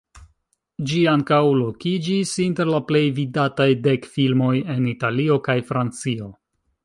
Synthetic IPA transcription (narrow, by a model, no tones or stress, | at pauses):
d͡ʒiaŋkawlo̞kid͡ʒisinte̞ɾlaple̞jvidatajde̞kfilmo̞je̞nitalio̞kajfɾant͡sio̞